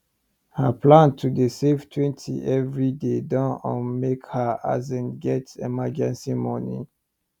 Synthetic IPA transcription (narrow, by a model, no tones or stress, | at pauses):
həplãntʰudəseftʰwɛ̃ntʰḭʔɛvɹidedãnə̃nmekhəa̰zɛ̃nɡɛtɛ̰mad͡ʒɛ̃nsimɔnḭ̃